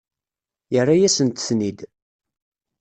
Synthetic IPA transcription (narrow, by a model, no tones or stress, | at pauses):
jərˤːajæsənt̪θnid̪